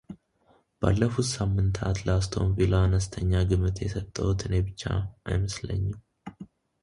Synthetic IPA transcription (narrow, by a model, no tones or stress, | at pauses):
b̥a̰lːəfut̪samːɨnt̪ʰat̪ləast̪ʰo̞̰mvilaanəst̪ʰəɲːaɡɨmɨt̪ʰjɛsət̪ʼːəwut̪ɨnebɨt͡ʃːa̰ʔa̰jməslə̰ɲːɪm